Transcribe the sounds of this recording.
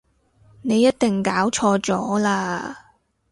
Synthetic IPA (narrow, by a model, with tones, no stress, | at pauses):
ne˨˧jːɐ˥t̚t̪ɪ˨ŋkaː˨˥wt͡ʃʰɔː˧t͡sɔː˨˥laː˧